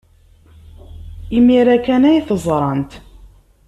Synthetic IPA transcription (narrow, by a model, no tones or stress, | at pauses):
imiɾækænæjθəzˤɾˤɑnt̪